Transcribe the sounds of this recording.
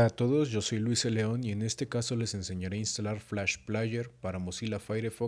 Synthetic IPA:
at̪o̞ðo̞zʝo̞so̞jlwisele̞o̞nie̞ne̞st̪e̞kaso̞le̞se̞nse̞ɲaɾeainst̪alaɾflaʃplaʝe̞ɾpaɾamosilafajɾefo

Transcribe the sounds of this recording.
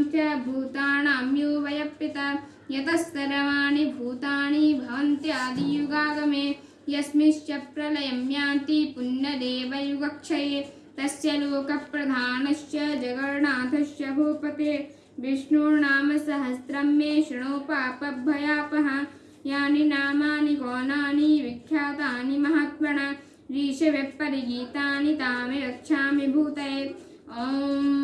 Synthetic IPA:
mtjɐbʱuːt̪aːɳaːmjuːʋɐjɐpːit̪ɐ | jɐt̪ɐst̪ɐɾɐʋaːnibʱuːt̪aːɳibʱɐʋɐnt̪jɐaːd̪ʱijuɡaːʋɐmeː | jɐsmiʃt͡ʃɐpɾɐlɐjɐmjaːnt̪ipunjɐd̪eːʋɐjuɡɐkʂʰɐjeː | t̪ɐsjɐloːkɐpɾɐd̪ʱaːnɐʃjɐd͡ʒɐɡɐɾɳaːd̪ʱʰɐʃjɐbʱuːpɐt̪eː | ʋiʃnuːnaːmɐsɐɦɐsɾɐmːeːʃɐɳoːpaːpɐbʱːɐjaːpɐɦɐ̆ | jaːninaːmaːnikɔːnaːniʋikʰjaːt̪aːnimɐɦɐt̪ʋɐɳɐ | ɾiːʃɐʋjɐpːɐɾiɡiːt̪aːnit̪aːmeɾɐkʃʰaːmibʱuːt̪ɐjeː | oː

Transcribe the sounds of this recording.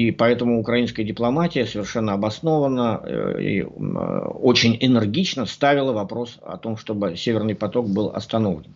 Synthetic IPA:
ipɐɛt̪əmʊːkɾɐinskəjədʲɪplˠɐmatʲɪjəsəvʲɪrʂɛnːəɐbɐsno̞vənəḭ | o̞t͡ɕɪnʲɪnɨrɡʲit͡ɕnəst̪avʲɪlˠəvɐpɾo̞sɐ̰t̪o̞mʂt̪o̞bɨsʲevʲɪrnɨjpɐt̪o̞k̚bɨlˠɐ̰st̪ɐno̞vlʲɪn

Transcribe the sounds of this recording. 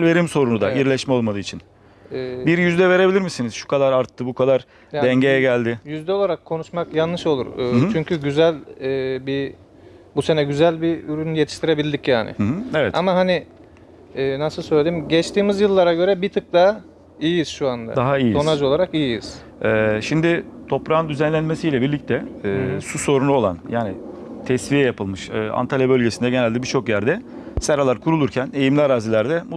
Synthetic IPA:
ve̞ɾimso̞ɾunud̪a̰iɾlʲɛʃmɛo̞lˠmad̪ɯːt͡ʃʰin | ɛːbiɾjyzd̪ɛve̞ɾe̞bilʲiɾmisiniz̥ʃu̥kʰad̪aɾaɾt̪ʰːɯbukʰad̪aɾ | jad̪ɛɲɟe̞jɛɟælʲd̪ɪjyzd̪ɛo̞lˠaɾakʰːo̞nuʃmakjanːɯʃo̞lˠuɾɯːt͡ʃʰyɲcʰyɟyzælʲɛːbi | buse̞nɛɟyzælʲbiyɾynyje̞t̪ʰi̥ʃt̪ʰiɾe̞bilʲd̪icjaːnɪ̰ɦevɛt̪a̰maɦani | ɛːnasɯlˠsøjlʲeiimɟɛt͡ʃt̪iːmizjɯlˠːaɾaɟø̞ɾɛbit̪ʰɯk̚t̪a | ijijiz̥ʃuand̪a̰d̪aɦaijijso̞nad͡ʒo̞lˠaɾakijijiz̥ | ɛːʃimd̪ɪt̪ʰo̞pɾaɯnd̪yzænlʲænmesijlʲɛbiɾlʲic̚t̪ʰɛɛːsuso̞ɾunuolˠanjaːnɪ | t̪ʰɛsvijɛjapʰɯlˠmɯʃɯːa̰nt̪ʰalʲabølʲɟesind̪ɛɟenælʲd̪ɛbiɾt͡ʃʰo̞kjæɾd̪ɛ | sɛɾalˠaɾkʰuɾulˠuɾcʰænejimlʲiaɾaːzilʲæɾd̪ɛmu

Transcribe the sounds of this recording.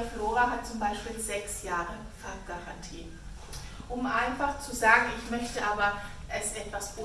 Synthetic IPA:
floːʁaɦat̚t͡sʊmbaɪʃpiːlzɛksjaːʁəfaɐp̚ɡ̥aʁantʰiː | ʔʊmʔaɪnfaχt͡suzaːɡŋ̩ɪçmœçtəʔaːbɐʔɛsʔɛtv̥asʔʊ

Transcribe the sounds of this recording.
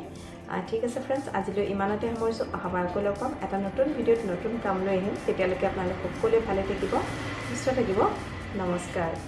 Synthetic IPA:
a̰tʰikasɛpʰɹɛnsa̰zilojʔimanɔtɛɔmɔɹsʊʔaɦabaɹkolɔkɔmɛtanotunbʱidijotnotunkamlojaɦintetialokɛapʊnalʊkɔkolojbʱalɛtʰakibɔ | bisɔtʰakibɔ | nɔmɔskaɹ

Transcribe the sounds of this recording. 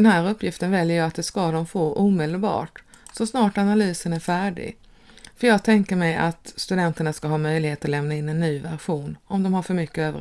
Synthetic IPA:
d̪ɛnhæːɾɵpʰːjɪft̪ənvɛljəjɑat̪̚d̪ɛskad̪ɔmfoːʔuːmɪd̪əlbɑ̰ːʈ | sɔsnɑːʈanalyːsənæɾfæːɖɪ̰ɡ | fœjɑːɡ̚t̪ʰɛŋkəɾmɛja̰t̪st̪ɵd̪ɛnt̪əɳaskaɦɑːmœjlɪheːt̪ɔlɛmnaɪnːɛnːyːvæɾɧuːnɔmd̪ɔmhaɾfœɾmʏkːəøːvəɾ

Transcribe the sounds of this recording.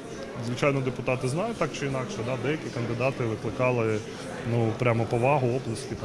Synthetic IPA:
zʋɪt͡ʃɑjnɔd̪epʊt̪ɑt̪ɪznɑjʊt̚ʲt̪ɑk̚t͡ʃɪinɑkʃɛd̪ɑd̪ɛjɐkʲikɐnd̪ɪd̪ɑt̪ɪʋɪklˠɪkɑlˠɪ | nupɾʲamɔpɔʋɑɦʊɔblˠɐsʲtʲit̪

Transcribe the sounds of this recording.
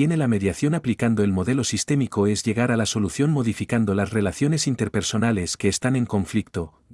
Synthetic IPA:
jene̞lame̞ðjaθjo̞naplikand̪o̞e̞lmo̞ðe̞lo̞sist̪e̞mikoe̞zʎe̞ɣ̞aɾalaso̞luθjo̞nmo̞ðifikand̪o̞lasre̞laθjo̞ne̞sint̪e̞ɾpe̞ɾso̞nale̞ske̞ːst̪ane̞ŋko̞ɱflik̚t̪o̞

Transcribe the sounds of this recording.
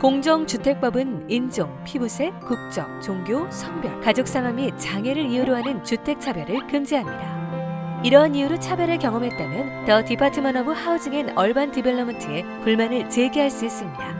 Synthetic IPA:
koŋd͡ʑoŋt͡ɕutʰe̞k̚p͈ʌbɯnind͡ʑoŋpʰibusʰe̞kuk̚t͡ɕ͈ʌŋ̚t͡ɕoŋɡjosʰʌŋbjʌkad͡ʑok̚s͈aŋamit͡ɕaŋe̞ɾɯɾiuɾoɦanɯnt͡ɕutʰe̞k̚t͡ɕʰabjʌɾɯɭkɯmd͡ʑiɦamɲida | iɾʌɦniuɾot͡ɕʰabjʌɾɯɭkjʌŋʌmɦe̞t̚t͈amjʌntʌtipʰatʰɯmʌnʌbuhaud͡ʑɯŋenʌɭbantibeɭːʌmʌntʰɯe̞ | puɭmanɯɭt͡ɕe̞ɡiɦaɭs͈uis͈ɯmɲida

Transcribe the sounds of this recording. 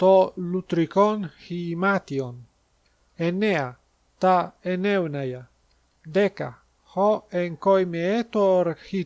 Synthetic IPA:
t̪olut̪ɾikonhimat̪jon | enea | t̪aenewnaja | d̪eka̰ | hoeŋkojmeet̪oɾhi

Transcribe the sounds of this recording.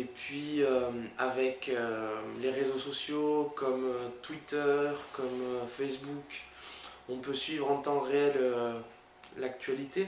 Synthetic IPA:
epɥiøavɛkøleʁezosɔsjokɔmøt̪wit̪œʁkɔmfɛsbuk | ɔ̃pøsɥivʁɑ̃t̪ɑ̃ʁeɛlø | lak̚t̪ɥalit̪e

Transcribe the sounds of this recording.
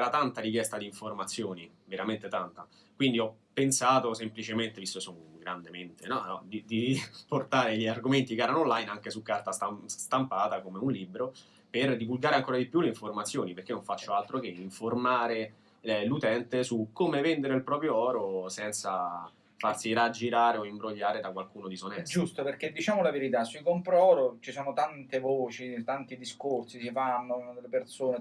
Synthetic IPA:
ɛɾat̪ant̪aɾikjɛst̪ad̪iːɱformat̪sːjoːni | veɾament̪et̪ant̪a | kwind̪iɔpːensaːt̪osemplit͡ʃement̪evist̪okesoŋɡɾand̪ement̪enɔɔd̪id̪iport̪aːɾeʎiarɡoment̪ikeɛːɾanoolajnaŋk̟esukːart̪ast̪ast̪ampaːt̪akomeunlibɾo | perd̪ivulɡaːɾeaŋkoːɾad̪ipjuleiɱformat̪sːjoːnipeɾrk̟enːoɱfat͡ʃːoalt̪ɾok̟eiɱformaːɾe | lut̪ɛnt̪esukːomevɛnd̪eɾeilpɾɔːpɾjoɔːɾosɛnt̪sa | farsiɾad͡ʒːiɾaːɾeoimbɾoʎːaːɾed̪akwalkuːnod̪isonɛd͡ʒust̪operk̟ed̪ːit͡ʃaːmolaveɾit̪asuikompɾɔːɾot͡ʃisɔːnot̪ant̪evoːt͡ʃit̪ant̪id̪iskorsisifanːod̪elːepersoːne

